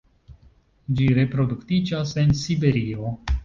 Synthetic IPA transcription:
d͡ʒiɾe̞pɾo̞duktid͡ʒase̞nsibe̞ɾio̞

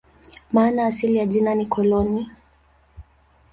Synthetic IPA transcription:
maːnaːsilijaʄinanikɔlɔni

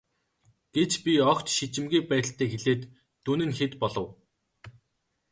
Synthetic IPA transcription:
ɡ̥et͡ɕpʲiɔkt̪ʃit͡ɕɪ̆mɡiːpæːt̪̆ʲɬt̪ʰeːxeɮeːt̪ː | unɘ̆nxet̪pɔɮɞ̆w

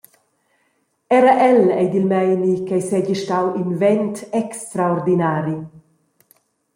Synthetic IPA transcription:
ɛɾaʔɛlɛjd̪ilmɛjnikajsɛɟiʃtawinvɛnt̪ɛkst̪ɾaoɾd̪inaːɾi

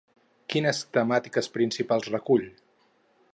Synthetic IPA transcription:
kinəst̪əmat̪ikəspɾinsipalˠzrəkuʎ

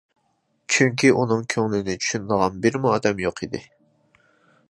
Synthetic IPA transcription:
t͡ʃʰyŋk̬ʲʰiʔunɨŋkʲʰøŋlɪnɪt͡ʃʰy̥ʃynd̪əʁɑnbɪɾmuɑːd̪ɛmjoqʰid̪ɪ̰

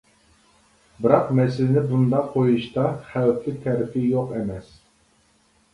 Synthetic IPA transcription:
bɪɾɑqmɛsɪlɪnɪbund̪ɑqqʰːojuʃt̪ɑχæwplɪk̚ʲt̪ʰɛɾɪpʰɪjoqemɛs

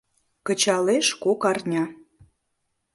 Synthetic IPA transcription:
kə̆t͡ɕɑleʃkokɑrnʲɑ

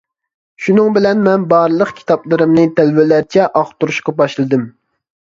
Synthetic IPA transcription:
ʃunɨŋbɪlɛnmɛnbɑɾlˠəqkʲʰi̥t̪ɑplˠɨɾɨmnɨt̪ʰælvɪlæɾt͡ʃʰɛʔɑχt̪uɾuʃqɑbɑʃlˠɨd̪ɨm

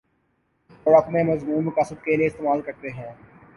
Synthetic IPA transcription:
ɔːɾəkmẽmɐzmuːnmʊkaːsəb̚kelieɪst̪eːmaːlkɐɾt̪eɦɛ̃ː

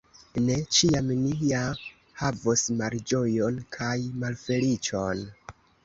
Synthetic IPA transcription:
ne̞t͡ʃiamnia | havosmald͡ʒo̞jo̞nkʰajmalfe̞lit͡ʃo̞n

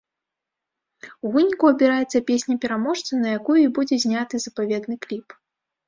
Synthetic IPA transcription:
uvɨnʲikuɐbʲɛɾajɛt̪sːɐpʲesʲnʲɐpʲɛɾamɔʂt̪sɐnɐjakujuibud͡zʲɛzʲnʲat̪ɨzɐpavʲɛd̪nɨklʲip

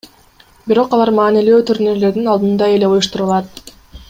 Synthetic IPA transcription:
biɾo̞qɑlˠɑɾmɑːnileːt̪ʰuɾneɾle̞ɾd̪inɑlˠd̪ɯnd̪ɑe̞le̞ujuʃt̪uɾulˠɑt̪̚

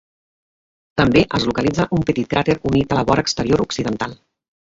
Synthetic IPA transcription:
t̪əmbeʔəzlukəlid͡zəʔumpət̪it̪̚kɾat̪eɾunit̪ələβɔɾəkst̪əɾioɾuksiðənt̪alˠ

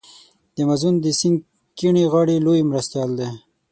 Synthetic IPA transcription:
d̪̥əmazund̪əsiŋɡ | kiɳiɣɑɽilojmɾast̪jɑld̪e

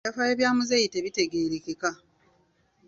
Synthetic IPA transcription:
afajeβjaːmuzejiteβite̞ɡeːɾekeka

